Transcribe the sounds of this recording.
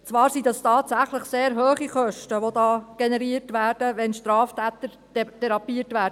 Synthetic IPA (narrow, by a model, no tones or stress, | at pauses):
t͡sʋɑːɾsidɑstɑːtsæχləχseːɾɦøːχiχœʃtəʋodɑːɡ̥enɛɾiːəɾtʋæːɾd̥əʋɛnʃtɾɑːftæːt̪əɾ | tʰɛɾɑpiətʋæːɾdə